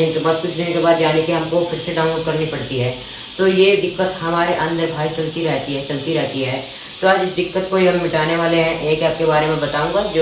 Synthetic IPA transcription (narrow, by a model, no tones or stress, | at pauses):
ɪnkebaːd̪̚kʊt͡ʃʰd̪ɪnkebaːd̪jaːnekiɦɐmkopʰɪɾseɖãːʊ̃nloːɖkɐɾnipɐɽ̤t̪iɦɛː | t̪ojed̪ɪkːət̪ɦɐmaːɾeʔɐ̃nd̪ʱəbʱaːit͡ʃɐlt̪iɾɛɦt̪iɦɛt͡ʃɐlt̪iɾɛɦt̪iɦɛː | t̪oaːd͡ʒɪsd̪ɪkːət̪koiɦɐmːɪʈaːneʋaːleɦɛ̃ʔeːkaːp̚kebaːɾemẽbɐt̪aːũːŋɡad͡ʒo